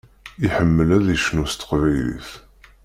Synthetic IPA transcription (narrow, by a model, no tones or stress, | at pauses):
iħəmːəlæðiʃnust̪ə̥qvæjllḭθ